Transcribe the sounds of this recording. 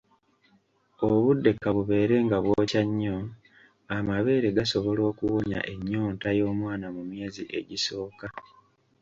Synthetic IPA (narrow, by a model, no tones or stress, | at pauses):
oβudːe̞kːaβuβe̞ːɾe̞ŋɡaβwoːcaɲːo̞ | amaβe̞ːɾe̞ɡaso̞βo̞lo̞ːkuwoɲa̰ʔe̞ɲːo̞ːntajo̞ːmwaːnamumje̞ːziʔe̞̰ɟiso̞ːka